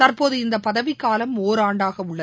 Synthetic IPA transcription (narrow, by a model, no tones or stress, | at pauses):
t̪ɐrpoːðɯɪnd̪ɐpːɐðɐʋɪkːaːlɐmoːɾaːɳɖaːɣɐʊɭːɐ